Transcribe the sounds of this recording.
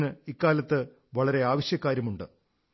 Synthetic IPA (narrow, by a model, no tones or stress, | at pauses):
nɨikːaːlɐt̪ːɨ | ʋɐɭɐɾe̞aːʋɐɕjɐkːaːɾjɐmuɳɖɨ